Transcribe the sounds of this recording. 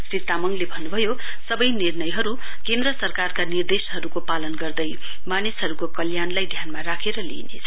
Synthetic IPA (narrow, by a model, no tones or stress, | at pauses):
sit̪ːamʌŋlebʱʌnːubʱʌjo | sʌbʌjnirnʌjɦʌɾu | kend̪rʌsʌrkarkanird̪esɦʌɾukopalʌnɡʌrd̪ʌj | manisɦʌɾukokʌljanlajd̪ʱjanmaɾakʰeɾʌlḭnḛt͡sʰʌ